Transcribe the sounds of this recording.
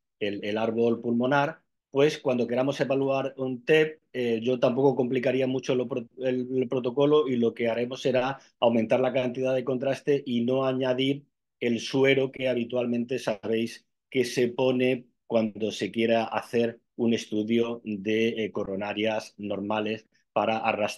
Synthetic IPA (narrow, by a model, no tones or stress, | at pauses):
elelaɾβ̞o̞lpulmo̞naɾ | pwe̞skwand̪o̞ke̞ɾamo̞se̞βaluaɾunt̪e̞p̚eʝo̞t̪ampo̞ko̞ko̞mplikaɾiamut͡ʃo̞lopoelpɾo̞t̪o̞ko̞lo̞ilo̞ke̞aɾe̞mo̞se̞ɾa | awment̪aɾlakant̪iðaðe̞ko̞nt̪ɾast̪e̞ʔino̞aɲaðiɾ | e̞lswe̞ɾoke̞aβit̪walmẽ̞nt̪e̞saβ̞e̞js | ke̞se̞po̞ne̞ | kwand̪o̞se̞kje̞ɾaa̰θe̞ɾ | une̞st̪uðjo̞ðe̞koro̞naɾjasno̞ɾmale̞s | paɾaʔaras